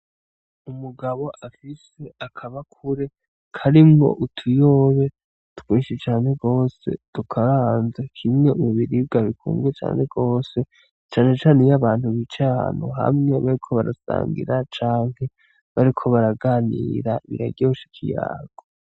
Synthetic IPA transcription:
umuɡaβo̞ʔafise̞akʰaβakʰuɾe | kʰaɾimo̰ʔutʰujo̞ːβe̞ | tu̥kwiːʃet͡ʃaːne̞ɡo̞ːse̞̰tukʰaɾanzakʰimŋe̞umuβiɾib̚ɡaβikʰṵːŋɡwet͡ʃa̰ːne̞ɡo̞ːse̞ | t͡ʃaːne̞t͡ʃaːnejaβaːn̥huβit͡ʃaa̰nuɦa̰mŋe̞βaɾikʰo̞βaɾasa̰ːŋɡḭɾat͡ʃaːŋ̥he̞ | βaɾikʰo̞βaɾaɡaːniɾaiβḭɾa̰ɡɟeuʃi̥kʰija̰ːɡ̥o

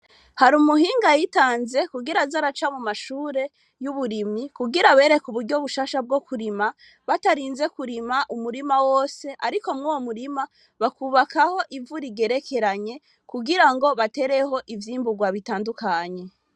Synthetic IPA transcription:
haɾumuhiːŋɡajitaːnze̞kuɡiɾazaɾat͡ʃamumaʃuːɾe̞ | juβuɾimikuɡiɾaβe̞ːɾe̞kuβuɾɟo̞βuʃaːʃab̚ɡo̞kuɾima | βataɾiːnze̞kuɾimaʔumuɾimawo̞ːse̞ʔaɾiko̞mŋuwomuɾima | βakuβakaho̞ʔivuɾiɡe̞ɾe̞kʰe̞ɾaɲe̞ | kuɡiɾaŋɡo̞βate̞ɾe̞ho̞ʔivjiːmbuɡwaβitaːndukaɲe̞

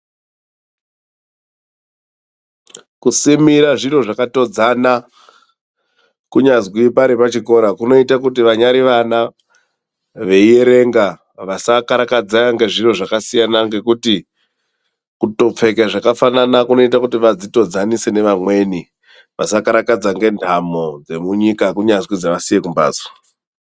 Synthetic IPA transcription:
kusimiɾaʐiro̞ʐakato̞d͡zana | kuɲazwipaɾepat͡ʃiko̞ɾakuno̞itakutiʋaɲaɾiʋana | ʋe̞ije̞ɾe̞ŋɡa | ʋasakaɾakad͡zaaŋɡe̞ʐiro̞ʐakasijanaŋɡe̞kuti | kuto̞p͡fe̞kaʐakafananakuno̞itakutiʋad͡zito̞d͡zanise̞ne̞ʋamwe̞ni | ʋasakaɾakad͡zaŋɡe̞ndʱamo̞d͡ze̞muɲikakuɲazwid͡zaʋasije̞kumba̰ːd͡zwa

